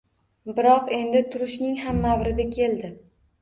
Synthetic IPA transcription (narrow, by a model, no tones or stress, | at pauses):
bɪɾɒqe̞nd̪ɪt̪ʰʊɾʊʃnɪŋɦamːawɾɪd̪ɪkʲʰe̞lˠd̪ɪ